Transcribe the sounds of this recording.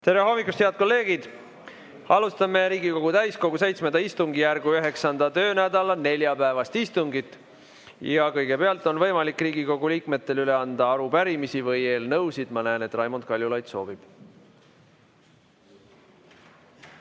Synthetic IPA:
t̪e̞ɾeɦo̞mːikːˑust̪heɑd̪̥̚ko̞lːe̞ːɡ̥id̪̥ | ɑlust̪ɑmeɾiːɡiko̞ɡ̥ut̪æjsko̞ɡ̥use̞jt̪smend̪ɑist̪uŋɡijærɡ̥uyɦe̞ksɑnd̪̥ɑt̪ø̞ːnæd̪ɑlɑne̞lʲjɑpæevɑst̪ist̪uŋɡit̪ːˑ | jɑkɤjɡ̥e̞peɑlt̪ːˑo̞nvɤjmɑlikːˑriːɡiko̞ɡ̥uliːkme̞t̪ːe̞lyle̞ɑnd̪̥ɑɑɾupæɾimisivɤje̞ːlnɤwsid̪̥mɑnæeːne̞t̪ːˑrɑjmod̪̥kɑlʲjulɑjt̪so̞̰ːb̥ib̥

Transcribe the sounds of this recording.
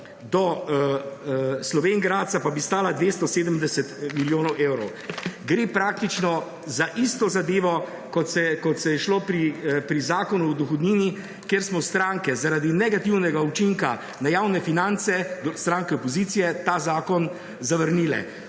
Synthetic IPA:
d̪ɔ | slɔʋeːŋɡɾaːt̪t̪sapabist̪aːlad̪ʋeːst̪ɔseːd̪əmd̪ɛsɛt̪miljoːnɔwʔeːwɾɔw | ɡɾeːpɾaːk̚t̪it͡ʃnɔ | zaʔist̪ɔzad̪eːʋɔ | kɔt̪sɛkɔt̪sɛjɛʃlopɾipɾizaːkɔnuwd̪ɔxɔd̪niːni | kjeɾsmɔst̪ɾaŋkɛzaɾaːd̪inɛɡat̪iwnɛɡaut͡ʃiŋka | najaːwnɛfinant̪sɛd̪ɔst̪ɾaːŋkɛɔpɔziːt̪sijɛt̪aːzaːkɔn | zaʋəɾniːlɛ̰

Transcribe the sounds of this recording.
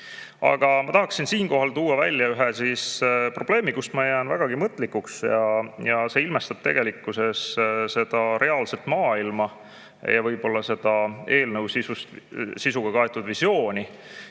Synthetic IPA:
ɑ̰ɡ̥ɑmɑt̪ɑɦɑksinsiːnko̞ɦɑlt̪uːɑvæ̰lʲːjɑyɦesispro̞b̥le̞ːmikusmɑejæːnvæ̰ɡ̥ɑɡ̥imɤt̪ːˑlikːuksjɑjɑse̞ilmest̪ɑb̥t̪e̞̰ɡ̥e̞likːˑuse̞sse̞d̪̥ɑɾe̞ɑːlse̞lt̪mɑːilmɑ | jɑvɤjb̥o̞lːɑse̞d̪̥ɑe̞ːlnɤwsisust̪sisuɡ̥ɑkɑet̪ːˑud̪̥visjo̞ːnʲi

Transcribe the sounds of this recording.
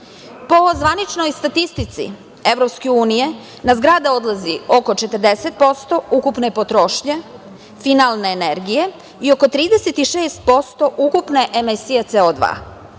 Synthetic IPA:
po̞zʋanit͡ʃno̞jst̪at̪ist̪it̪sḭ | eʋvɾo̞pskeuːnije̞ | nazɡɾad̪ao̞d̪lazio̞ko̞t͡ʃe̞t̪əɾd̪eset̪̚po̞st̪o̞ukupnepot̪ɾoʃɲe | finalneːneɾɡije̞ | io̞kot̪ɾiːd̪eset̪iʃeːst̪̚po̞st̪o̞ʔukupne̞ʔemesijet̪seod̪ʋa̰ː

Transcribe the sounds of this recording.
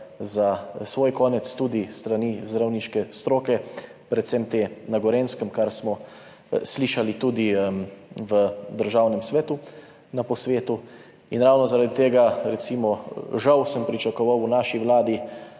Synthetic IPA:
zasʋoːjkɔːnɛt̪st̪ud̪ist̪ɾanizd̪ɾawniʃkɛst̪ɾoːkɛ | pɾɛt̪sɛmt̪eːnaɡɔɾeːnskəmkaɾsmɔ | sliʃalit̪ud̪imʋəd̪əɾʒaːwnɛmsʋɛːt̪u | napɔsʋeːt̪u | inɾawnɔzaɾad̪it̪eːɡaɾɛt̪simɔʒawsəmpɾit͡ʃakɔʋawunaʃiʋlaːd̪i

